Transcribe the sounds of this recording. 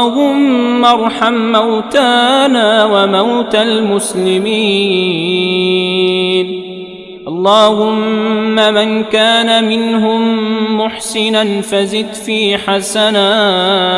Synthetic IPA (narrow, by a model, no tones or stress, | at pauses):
hʊmːɑɾˤħamːawt̪aːnaːwamawt̪almʊslɪmiː | n | ʔɑlˤːɑːhʊmːamankaːnamɪnɦʊmːʊħsɪnanfazɪd̪fiːħasanaː